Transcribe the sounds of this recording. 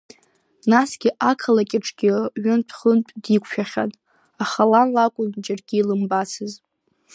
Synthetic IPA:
nasɡʲiʔakʰalakʲʼɪʈ͡ʂʰʼɡʲɪɥɪnpʰχəntʼdikʷʰʼʃᶣaχʲa̰nʼ | aχalanlakʷʼʊnd͡ʒarɡʲilɨmbasʰɨz

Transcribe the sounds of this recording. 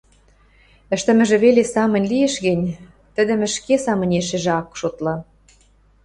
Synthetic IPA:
ə̆ʃt̪ə̆mɘ̆ʒĕβelesɑmɤ̆nʲlieʃɣɘ̆nʲ | t̪ə̆d̪ə̆mɘ̆ʃkesɑmɤ̆nʲeʃĕʒĕɑkʃot̪lɑ

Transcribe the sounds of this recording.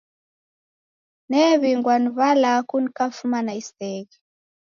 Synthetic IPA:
nɛβiŋɡwanuβalakunkafumanaist̪ɛɡi

